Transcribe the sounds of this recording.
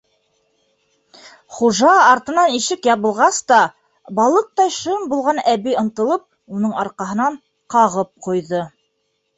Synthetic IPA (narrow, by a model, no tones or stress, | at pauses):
χuʒɑːɾt̪ɤ̆nɑniʃɘkjɑβɤ̆lˠʁɑst̪ɑ | bɑlˠɤq̚t̪ɑjʃɤmbulˠʁɑnæβiɤ̆nt̪ɤ̆lˠɤp̚ | unɤɴɑɾqɑɦɤ̆nɑɴ | qɑʁɤp̚qujðɤ